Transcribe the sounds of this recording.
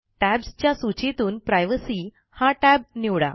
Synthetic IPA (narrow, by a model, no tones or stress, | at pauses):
ʈæbst͡ɕjasut͡ɕet̪uːnpɾajʋəsiː | haʈæb̚niwɽa̰